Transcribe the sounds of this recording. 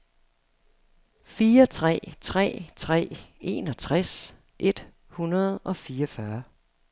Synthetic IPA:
fiːɐt͡sʰʁɛ̰ːt͡sʰʁɛ̰ːt͡sʰʁɛ̰ːe̝̰ːnɒ̽t͡sʰʁas | ʔe̝d̥ | hunɐð̞̩ˠɒ̽fiːɐʌɒfɶɐ

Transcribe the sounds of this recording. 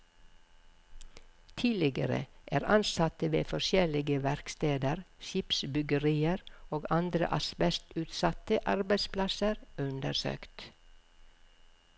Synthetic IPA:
t̪ʰiːlɪɡə̰ɾə̰ʔæːɾɑnsɑt̪əʋḛːfɔʃjɛlɪɡəʋæɾkst̪eːd̪əɾʃɪpsbʏɡəɾiːəɾoːɡɑnd̪ɾə̰ʔɑsbɛst̪ʉːt̪sɑt̪əʔɑɾbæɪspʰlɑsəɾʉnd̪əɾsø̰ːkt̪

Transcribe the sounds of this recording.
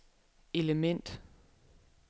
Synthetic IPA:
e̝ləmen̰d̥

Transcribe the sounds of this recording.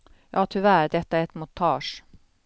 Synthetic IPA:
jɑːt̪ʰʏʋæːɾd̪ɛt̪ːəæɾɛt̪mʊt̪ʰɑːʂ

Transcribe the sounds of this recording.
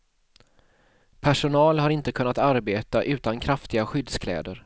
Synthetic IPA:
pʰæʂʊnɑːlɦaɾɪnt̪əkʰɵnːat̪aɾbeːt̪aʔʉ̟ːt̪ankʰɾaft̪ɪɡaɧʏd̪skʰlɛ̰ːd̪əɾ

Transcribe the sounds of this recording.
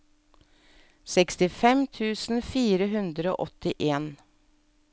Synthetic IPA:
sɛkst̪ɪfɛmt̪ʰʉːsn̩fiːɾəɦʉnd̪ɾəo̰ːʔɔt̪ɪʔeːn

